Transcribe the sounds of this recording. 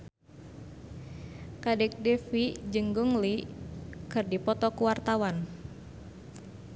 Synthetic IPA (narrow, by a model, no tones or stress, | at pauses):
kadɛk̚dɛfid͡ʒɨŋɡuŋli | kɨrdipɔt̪ɔkuwart̪awan